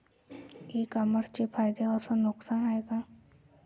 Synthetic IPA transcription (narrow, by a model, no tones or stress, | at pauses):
eːkaməɾt͡ʃepʰaːjd̪ekasanʊksaːnaːeːɡaː